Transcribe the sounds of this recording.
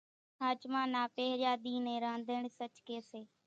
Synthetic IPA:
ɦaːt͡ʃmãːnaːpeːɦɾjaːd̪iːnẽːɾãːnd̪ʱəːɳsət͡ʃkeːseː

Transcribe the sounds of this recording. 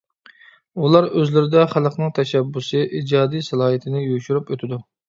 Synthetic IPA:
ulˠɑɾøzlɪɾɪd̪ɛχælˠəqʰnɨŋt̪ʰɛʃɛbːusɨʔid͡ʒɑːd̪ijsælˠɑːɦit̪ʰɪnɪjuʃuɾypøt̪ʰɪd̪u

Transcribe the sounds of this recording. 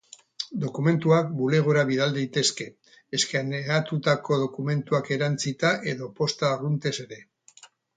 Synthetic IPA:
d̪o̞kume̞nt̪uak̚bule̞ɣ̞oɾaβiðald̪ejt̪e̞ske̞ː | skeaneat̪ut̪ako̞ð̞o̞kume̞nt̪uake̞ɾant͡sit̪aʔe̞ðo̞po̞st̪arunt̪e̞se̞ɾe̞

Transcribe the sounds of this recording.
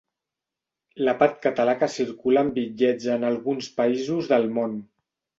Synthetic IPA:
ləpaɾt̪̚kət̪əlakəsiɾkulaːmbiʎɛd͡zəːnalˠɣunspəizuzðəlˠmon

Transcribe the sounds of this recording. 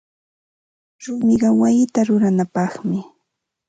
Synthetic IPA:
ɾʊmɪɢɑwajɪt̪aɾʊɾanapɑχmɪ

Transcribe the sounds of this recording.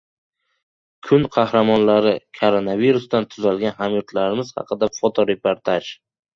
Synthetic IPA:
kʰʊnqʰɑhɾamɒnlaɾɪkʰoɾonaviɾʊst̪ant̪ʰʊzalɡʲanɦamjɒt̪ʰlaɾɪmɪz̥hɑ̰qʰɨd̪afot̪ʰoɾe̞poɾt̪ʰaʒ

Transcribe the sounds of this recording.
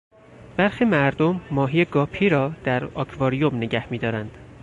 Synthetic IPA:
b̥æɾxiːmæɾd̪o̞mːɒːɦiːeɡɒːpʰiːɾɒːd̪̥æɾɒːkʰvɒːɾijomneɟæhmiːd̪ɒːɾænd̪̥

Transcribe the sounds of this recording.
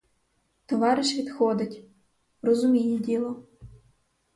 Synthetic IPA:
t̪oʋɑɾɪʃʋʲit̪xɔd̪ɘ̆tʲ | rɔzumʲijedʲilˠɔ

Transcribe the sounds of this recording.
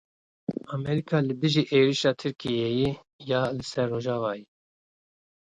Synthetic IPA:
ɑmɛɾikʰɑːlɨbɨʒiːʔeːɾiʃɑːt̪ʰɨɾkʰijeje | jɑːlɨsɛɾːoːʒɑːvɑːji

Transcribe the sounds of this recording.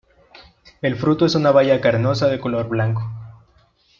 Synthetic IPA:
e̞lfɾut̪oe̞sunaβaʝakaɾno̞saðe̞ko̞lo̞ɾβlaŋko

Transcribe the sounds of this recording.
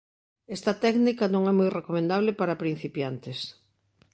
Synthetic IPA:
ɛst̪ɐt̪ɛknikɐnõŋɛmujrekomẽnd̪aβlepaɾapɾin̟θipjant̪es

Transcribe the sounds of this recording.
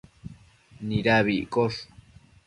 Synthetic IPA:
niɾaβiʔkoʂ

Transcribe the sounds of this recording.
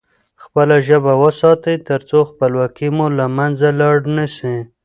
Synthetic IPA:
xpəlaʒəbawəsɑt̪əjt̪əɾt͡soxpəlwɑkimulamanzalɑɽnəʃi

